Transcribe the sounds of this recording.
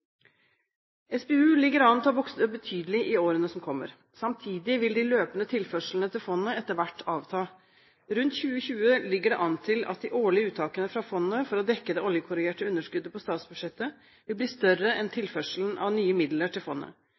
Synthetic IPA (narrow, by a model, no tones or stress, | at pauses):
ɛsbɛːʉːlɪɡːəɾɑnt̪ʰɑːbɔksəd̪əbət̪ʰyːd̪əlɪʔɪoːɾənəsɔmkʰɔmːə̰ɾ | sɑmt̪ʰiːd̪ɪʋɪld̪ɪløːpənət̪ʰɪlfœʂl̩ən̩ət̪ʰɪlfɔnːəɛt̪ːəɾʋæʈːɑːʋt̪ʰɑː | ɾʉnt̪çʉːəçʉːəlɪɡːəɖɛʔɑnt̪ʰɪlɑ̰t̪̚d̪ɪʔoːɭɪəʉːt̪ʰːɑːkənəfɾɑfɔnːəfɔɾɔd̪ɛkːəd̪ɛːʔɔljəkʰʊɾɪɡeːʈəʉnːəʂkʉd̪ːəpʰɔst̪ɑːt̪sbʉʂɛt̪ːə | ʋɪlbliːst̪œrəɛnt̪ʰɪlfœʂln̩ʔɑ̰ʋnyːəmɪd̪ləʈʰɪlfɔnːə̰